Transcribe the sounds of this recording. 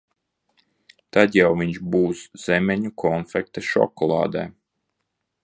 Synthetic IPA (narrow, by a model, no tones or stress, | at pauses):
t̪ad̪jawviɲʃbuːsz̥ɛmʲɛɲukʰɔnfɛk̚t̪aʃɔ̰kɔlˠɑ̰ːd̪ɛ̰ː